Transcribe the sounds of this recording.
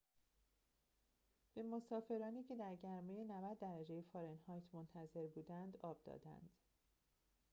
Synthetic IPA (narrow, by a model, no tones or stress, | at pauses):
b̥e̞mo̞sɒːfe̞ɾɒːniːcʰe̞d̪æɾɟæɾmejenævæd̪ːæɾæd͡ʒe̞jefɒːɾenhɒːjt̪ʰmont̪ʰæze̞ɾbuːd̪ænd̪ɒːb̥̚d̪ɒ̰ːd̪æ̰nd̪̥